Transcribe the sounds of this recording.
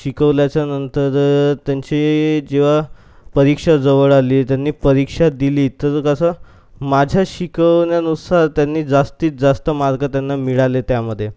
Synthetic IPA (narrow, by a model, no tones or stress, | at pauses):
ɕikəʋljat͡ɕjanənt̪əɾt̪jaɲt͡ɕid͡ʑeʋ̤a | pəɾikʂad͡zəʋəɭaliːt̪janːiːpəɾikʂad̪iliːt̪əɾkəsə | mad͡ʑʱjaɕikəʋnjanusaɾt̪janːiːd͡zast̪iːt͡sd͡zast̪əmaɾɡət̪janːamiɭalet̪jaməd̪ʱːje